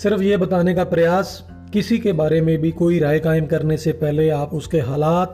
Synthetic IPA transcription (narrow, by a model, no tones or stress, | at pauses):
sɪɾəfjebɐt̪aːnekapɾɐjaːs | kɪsikebaːɾemẽbʱikoːiɾaːjkaːɪmkɐɾnesepɛɦleaːpʊskeɦaːlaːt̪